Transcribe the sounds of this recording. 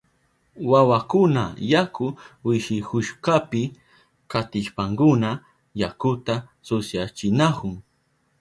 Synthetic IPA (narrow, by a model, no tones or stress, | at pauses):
wawakʊna̰jakʊwɪʃɪkʊʃkapɪ | kat̪ɪʃpaŋkʊna | jakʊt̪asʊsjat͡ʃɪnakʊŋ